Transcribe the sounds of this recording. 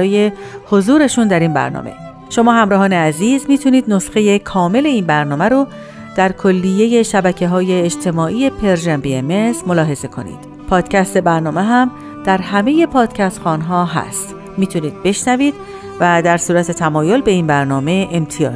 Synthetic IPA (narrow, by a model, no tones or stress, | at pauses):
ɒːjeho̞zuːɾe̞ʃund̪æɾinbæ̰ɾnɒ̰ːmʔe̞̰ | ʃo̞mɒːɦæmɾɒːɦɒːneæziːzmiːt̪ʰuniːd̪nosxe̞je̞kʰɒːme̞le̞iːnbæɾnɒːmæɾo | d̪̥æɾkʰo̞lːije̞je̞ʃæbæcʰe̞ɦɒːjeːd͡ʒt̪ʰe̞mɒːʔiːje̞pʰe̞ɾʒæmbieme̞smo̞lɒːɦe̞ze̞kʰo̞̰nḭːd̪̥ | pʰɒːd̪̥cʰæst̪e̞bæɾnɒːme̞ɦæm | d̪̥æɾɦæme̞je̞pʰɒːd̪̥cʰæst̪xɒːnɦɒːɦæ̰st̪ | miːt̪ʰuniːd̪̥̚be̞ʃnæviːd̪̥̚ | væd̪æɾsuːɾæt̪ʰe̞t̪ʰæmɒːjo̞lbe̞iːnbæɾnɒːme̞ʔemt̪ʰijɒ̰ː